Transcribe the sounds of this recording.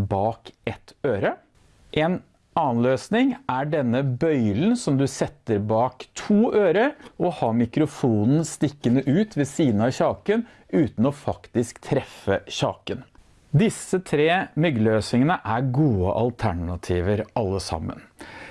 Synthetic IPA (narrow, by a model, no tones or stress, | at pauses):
bɑːkɛt̪øːɾə | ʔɛn | ʔɑːənløːsnɪŋæɖɛnːəbœʏln̩sɔmd̪ʉsɛt̪ːəɾbɑːkt̪ʰuːʔøːɾəɾɔhɑːɾmɪkɾʊfuːnn̩st̪ɪkːənəʔʉːt̪ʰʋɛsiːd̪nɑçɑːkən | ʉːt̪n̩ɔfɑkt̪ɪskt̪ʰɾɛfːəçɑ̰ːkən | d̪ɪsːət̪ʰɾeːmʏɡləøːsɪŋənəʔæɾɡuːə̰ʔɑlt̪ʰæɳɑt̪ʰiːʋəɾʔɑlːəsɑ̰mːə̰n